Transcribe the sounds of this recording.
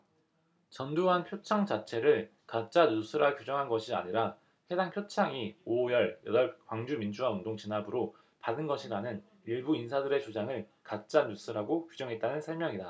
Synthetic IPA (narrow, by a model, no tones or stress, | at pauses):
t͡ɕʌnduɦanpʰjot͡ɕʰaŋd͡ʑat͡ɕʰe̞ɾɯɭ | kat̚t͡ɕ͈anusʰɯɾakjud͡ʑʌŋɦanɡʌɕʰia̰ɲiɾa | he̞daŋpʰjot͡ɕʰaŋiojʌɭjʌdʌɭk̚waŋd͡ʑumind͡ʑuwaundoŋt͡ɕinɦabɯɾo | padɯnɡʌɕʰiɾanɯn | iɭbuinsʰadɯɾe̞t͡ɕod͡ʑaŋɯɭkat͡ɕ͈anusʰɯɾaɡokjud͡ʑʌŋɦe̞t̚t͈anɯnsʰʌɭmjʌŋida